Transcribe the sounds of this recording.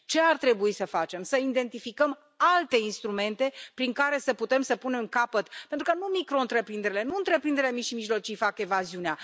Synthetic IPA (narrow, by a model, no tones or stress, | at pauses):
t͡ʃe̞art̪ɾe̞buisəfat͡ʃe̞msəid̪e̞nt̪ifikəm | alt̪e̞inst̪ɾume̞nt̪e̞pɾiŋkaɾe̞səput̪e̞msəpune̞mkapət̪pent̪ɾukənumikɾo̞ɨnt̪ɾe̞pɾind̪eɾile̞nuɨnt̪ɾe̞pɾind̪eɾelemiʃimiʒlo̞t͡ʃijfake̞vaziunea